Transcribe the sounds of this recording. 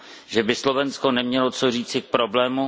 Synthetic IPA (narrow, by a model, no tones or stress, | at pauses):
ʒɛbɪslo̞vɛnsko̞nɛmɲɛlot͡soriːt͡sɪk̚pɾoblɛːmu